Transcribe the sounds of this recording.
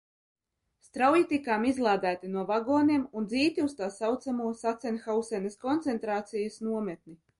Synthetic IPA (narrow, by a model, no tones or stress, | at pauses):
st̪ɾawjit̪ikaːmizlˠaːd̪æːt̪inuɔvaɡoːniɛmund̪ziːt̪ʲiust̪aːsawt̪samuɔsat̪sɛnxawsɛnɐskɔnt̪sɛnt̪ɾaːt̪sijɐsnuɔmɛt̪̚ni